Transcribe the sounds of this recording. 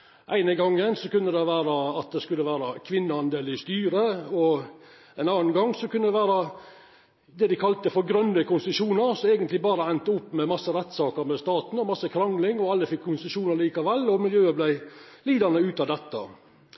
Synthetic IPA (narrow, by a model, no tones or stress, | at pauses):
ʔæɪnəɡɑŋːənsɔkʉnːəd̪ɛʋæːɾɑɑt̪̚d̪ɛskʉlːəʋæːɾɑkʰʋɪnːəɑnd̪eːlɪst̪yːɾəɔ | æɪnɑːnɡɑŋːsɔkʰʉnːəd̪ɛʋæːɾɑ | d̪ɛd̪ɪkʰɑlt̪əfɔɾɡɾœnːd̪əkʰʊnsʂuːnəɾsɔæɡənt̪lɪbɑːɾəɛnt̪əʊpːmɛmɑsːəɾɛt̪ːsɑːkəɾmɛst̪ɑːt̪n̩ɔmɑsːəkʰɾɑŋlɪŋɔɑlːəfɪkʰːʊnsəʂuːnəɾliːkɑʋɛlːɔmɪljøːəblæɪliːd̪ɑnəʉːt̪ɑʋd̪ɛt̪ːɑ̰